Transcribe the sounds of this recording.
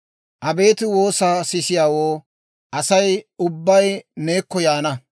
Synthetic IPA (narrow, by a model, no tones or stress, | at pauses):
ʔɐbe̞ːt̪ɪwo̞ːsaːsɪsɪjaːwoː | ʔɐsɐjʊbːɐjne̞ːkːɔjaːnɐ